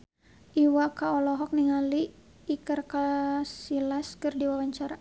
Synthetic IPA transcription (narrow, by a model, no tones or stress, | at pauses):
ʔiwakaɔlɔɦɔk̚niŋaliː | kərkasilaskɨrdiwawaɲt͡ʃaɾa